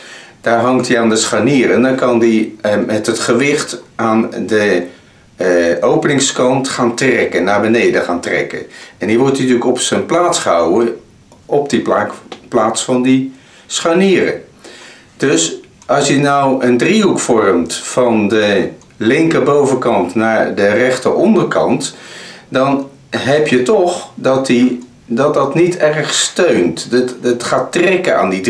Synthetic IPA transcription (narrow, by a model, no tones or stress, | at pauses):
d̥aːɹɦɑŋktiaːndəsχaniːrəndɑnkɑndimɛtɦətχəʋɪχtʔaːndə | owpənɪŋskɑntχaːntrɛkənːaːɹbənejdəχaːntrɛ̰kə̰nɛnɦiɹʋɔɹtitylkɔpsənplaːtsχəɦɑwə | ɔp̚dipakplaːtsfɑndi | sχaniːrə̰ | d̥ɵs | ɑlˠsjənɔwəndriɦukfɔrmtfɑndə | lɪŋkəbowvəkɑntnaːɹdərɛχtəʔɔndərkɑ̰ntdɑn | ɦɛpjətɔχdɑti | dɑt̚dɑtnitɛrχstøɥntətχaːtrɛkəa̰ːndi